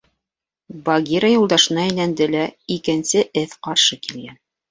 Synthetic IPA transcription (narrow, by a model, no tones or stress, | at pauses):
bɐɡʲiɾɑjulˠd̪ɑʃɤ̆nɑæjlænd̪ɘlæikɘ̆nsɘʔɘθqɑɾʃɤkilɡæn